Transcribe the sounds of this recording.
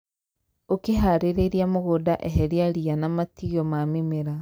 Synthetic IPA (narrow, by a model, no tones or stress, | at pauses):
okeɦaɾeɾeɾjamoɣodaʔeɦɛɾiaɾianamatiɔmamimeɾa